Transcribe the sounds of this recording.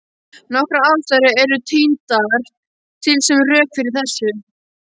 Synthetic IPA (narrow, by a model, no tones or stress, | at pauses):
nɔhkɾaaðt̪aɾɪɛɾʏt̪ʰiːnt̪aɾ̥ | t̪ʰɪlsɛmrœːkfɪɾɪɾ̥θɛsːʏ